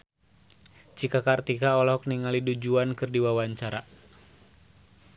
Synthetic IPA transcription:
t͡ʃikakart̪ikaɔlɔk̚niŋalidud͡ʒuankɨrdiwawaɲt͡ʃaɾa

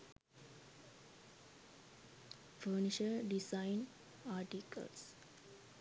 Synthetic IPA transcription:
fəːniʃəɾɖisaɪn | aːʈikə̰ls

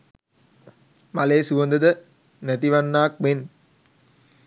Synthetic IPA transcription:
maleːsuʋond̪əd̪ə | næt̪iʋanːaːk̚men

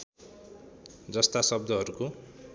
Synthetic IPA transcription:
d͡zʌst̪asʌb̚d̪ʱʌɦʌɾuko

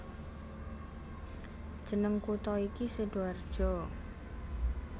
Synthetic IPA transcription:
d̥ʒ̥ə̤nəŋkut̪ɔikisəɖ̥oard̥ʒ̥ɔ

